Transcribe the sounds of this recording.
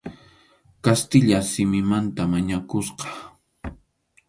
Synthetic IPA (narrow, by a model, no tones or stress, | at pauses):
kast̪ɪʎasɪmɪmant̪amaɲakosqɑ̥